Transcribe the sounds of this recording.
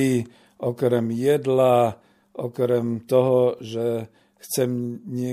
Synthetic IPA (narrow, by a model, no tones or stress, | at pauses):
i | ʔɔkɾɛmjɛd̪la | ʔɔkɾɛmt̪ɔɦɔʒɛ | xt͡sɛmɲɪɛ